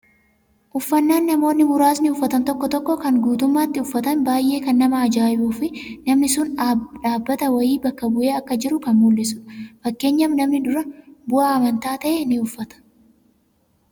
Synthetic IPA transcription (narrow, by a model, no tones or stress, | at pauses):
ʔʊfːɐnːaːnːɐmo̞ːnːɪmʊɾaːsnɪʊfːɐt̪ɐnt̪ɔkːɔt̪ɔkːɔkɐŋɡuːt̪ʊmːaːt̪ːɪʊfːɐt̪ɐnbaːjʔːe̞ːkɐnːɐmɐɐd͡ʒaːʔɪbuːfɪnɐmnɪsʊnːᶑaːbːɐt̪ɐwɐjiːbɐkːɐbʊʔe̞ːɐkːɐd͡ʒɪɾʊkɐnmulːɪsʊ̥fɐkːe̞ːɲːɐmnɐmnɪdʊɾɐbʊʔaːɐmɐnt̪aːt̪ɐʔenɪʊfːɐt̪ɐ̥